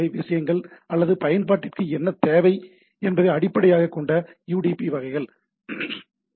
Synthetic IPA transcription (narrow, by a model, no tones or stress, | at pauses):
ɐɪʋɪʂɐjɐŋɡɐɭɐlːɐðɯpɐjɐnpaːʈːɪrkɯɛnːɐt̪ːeːʋɐɪ | ɛnbɐðɐɪɐɽɪpːɐɽɐjaːɣɐkːɔɳɖɐjuːɽipiʋɐɣɐɪɣɐɭ